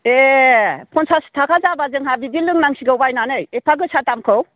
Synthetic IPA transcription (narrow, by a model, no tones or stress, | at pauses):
e | pʰɔnsastʰakʰazabazɯŋɦabibilːɯŋnaŋsiɡɯwbajnanɯjepʰaɡɯsatamkʰɯw